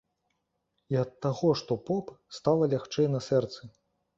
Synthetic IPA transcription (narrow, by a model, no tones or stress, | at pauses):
iɐt̪ːaɣɔʂt̪ɔpɔpst̪alˠɐlʲaxt͡ʂɛjnɐsɛrt̪sɨ